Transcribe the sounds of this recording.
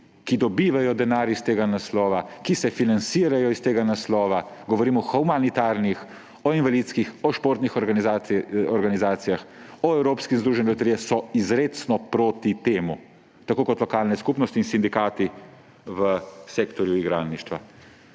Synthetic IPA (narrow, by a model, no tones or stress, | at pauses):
kid̪ɔbiːʋajɔd̪ɛnaːɾist̪eːɡanaslɔːʋakisɛfinansiːɾajɔist̪eːɡanaslɔːʋaɡɔʋɔɾiːmɔxɔmanit̪aːɾnix | ɔinʋalit̪skixɔʃpoːɾt̪nixɔɾɡanzaɔɾɡanizaːt̪sijaxɔɛwɾoːpskinzd̪ɾuʒɛnɛlɔt̪ɾijɛsɔizɾeːt̪snɔpɾoːt̪it̪eːmu | t̪akoːkɔt̪lɔkaːlnɛskupnɔst̪iːnsind̪ikaːt̪i | ʋəseːkt̪ɔɾjuiɡɾaːnniʃt̪ʋa